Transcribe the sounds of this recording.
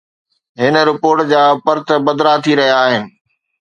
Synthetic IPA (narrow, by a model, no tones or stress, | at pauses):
ɦɪnə̆ɾɪpoːɾʈd͡ʑaːpɐɾt̪əbɐd̪ɾat̪ʰiɾɐɦijaːɦɪnɪ̆